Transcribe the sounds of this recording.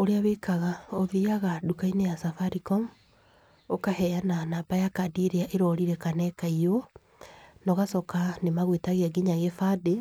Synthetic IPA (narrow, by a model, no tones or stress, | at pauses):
oɾeawekaɣaoðiaɣadukainejasafaɾikɔm | okahɛjananaːbajakadieɾeaʔeɾɔɾiɾɛkanɛkaio | nɔɣasɔkanemaɣwetaɣeaɡiɲaɣefade